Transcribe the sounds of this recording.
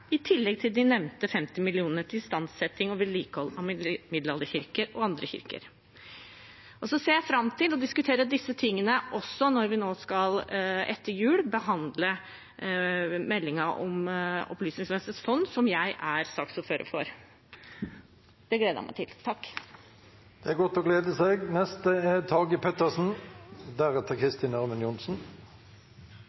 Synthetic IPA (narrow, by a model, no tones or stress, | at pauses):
ɪt̪ʰɪlːɛɡ̚t̪ʰɪld̪ɪnɛʋnt̪əfɛmt̪ɪmɪlɪuːnəʈɪst̪ɑnsɛt̪ɪŋɔʋɪlːiːkəhɔlːɑmmɪd̪lɑləçɪɾkəɾɔɑnd̪ɾəçɪ̰ɾkə̰ɾ | ʔɔsɔseːɾjæɪfɾɑmt̪ʰɪlɔd̪ɪskʉt̪ʰeːɾəd̪ɪsːət̪ʰɪŋːənəʔɔsːɔnɔɾʋɪnoːskɑlɛ̰t̪ːəɾjʉːɽbəɦɑnd̪lə | mɛlːɪŋɑʔɔ̰mɔ̰plyːsnɪŋsmɛnst̪əsfɔnd̪sɔmjæɪʔæɾsɑksɔføːɾə̰fɔ̰ɾ | d̪̥ɛɡleːd̪ə̰mʔæ̰ɪt̪ɪlt̪ʰɑkː | d̪̥ɛæɾɡɔt̪ɔɡleːd̪əseːɡnɛst̪əæt̪ʰɑːɡɪpʰɛt̪əsn̩d̪æʁɛt̪ːəkʰʁɪst̪ɪnæʁmənjʊnsn̩